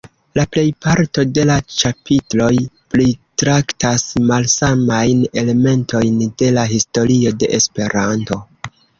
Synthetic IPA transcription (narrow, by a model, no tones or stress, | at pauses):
laple̞jpaɾto̞de̞lat͡ʃapʰitlo̞jplitɾaktasmalsamajne̞le̞me̞ntʰo̞jnde̞laɦisto̞ɾio̞de̞̰ʔespe̞ɾanto̞